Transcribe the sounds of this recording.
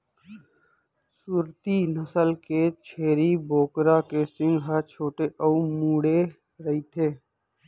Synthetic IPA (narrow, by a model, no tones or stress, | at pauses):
suːɾt̪inəsəlket͡ʃʰeːɾiboːkɾakesɪ̃ŋɡɦat͡ʃʰoːʈeʔɔːumuːɽe | ɾəɦiːt̪ʰeː